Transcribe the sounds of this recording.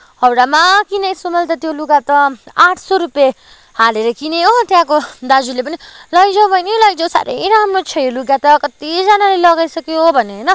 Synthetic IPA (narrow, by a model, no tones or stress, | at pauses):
hʌwɽamakinʌjsumʌlt̪ʌt̪joluɡat̪ʌaʈʰsoɾupje | haleɾʌkineɦot̪jãkod̪ad͡zulep̬ʌnilʌjd͡zʌwbʱʌjnilajk̚d͡zosa̰ɾḛjɾamrot͡sʰʌjoluɡjat̪ʌkʌt̪id͡zanalelʌɡajsʌkiɦobʱʌneɦʌjnʌ